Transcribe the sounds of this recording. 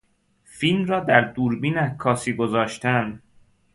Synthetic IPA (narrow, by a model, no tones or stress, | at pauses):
filmrɒːd̪æɾd̪uːɾbiːnækʰːɒːsiːɡozɒːʃt̪ænd̪